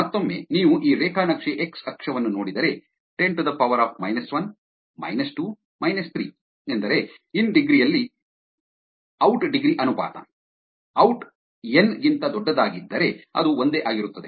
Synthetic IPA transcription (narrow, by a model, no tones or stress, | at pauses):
mɐt̪ːo̞mːḛniːʋuʔiːɾeːkʰaːnɐkʂeʔeksɐkʂɐʋɐnːuno̞ːɽid̪ɐɾe̞ | ʈeɳʈd̪ɐpɐʋɐɾaːpʰmɐjnɐsʋɐn | mɐ̰jnɐsʈuː | mɐjnɐst̪ʰɾḭː | end̪ɐɾe̞inɖiɡɾijɐlːi | ɐwʈɖiɡɾiʔɐnupa̰ːt̪ɐ̰ | ɐwʈ | enɡint̪ɐd̪ɔɖːɐd̪aːɡid̪ːɐɾe̞ɐ̰d̪uond̪eːʔaːɡiɾut̪ːɐd̪e